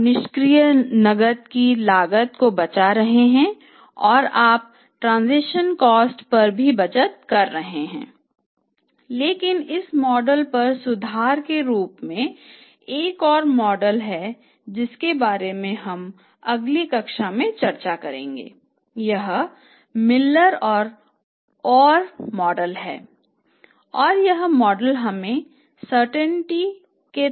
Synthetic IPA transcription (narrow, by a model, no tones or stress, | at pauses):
nɪʃkɾijənɐɡət̪̚kilaːɡət̪kobɐt͡ʃaɾɐɦeɦɛ̃ | ɔːɾaːp̚ | ʈɾãːnzɪʃənkɔːsʈpɐɾbʱibɐt͡ʃət̪̚kɐɾːɐɦeɦɛ̰̃ː | leːkɪnɪsmɔːɖəlpɐɾsʊd̪ʱaːɾkeɾuːpmẽ | eːkɔːɾmɔːɖəlɦɛ | d͡ʒɪskebaːɾemẽɦɐm | ɐɡlikɐkʃamẽt͡ʃɐɾt͡ʃakɐɾḛ̃ːŋɡḛː | jɐɦ | mɪlːəɾɔːɾ | ɔːɾmɔːɖəlɦɛ̰ː | ɔːɾjɐɦmɔːɖəlɦɐmẽ | səɾʈə̃ɳʈi | ke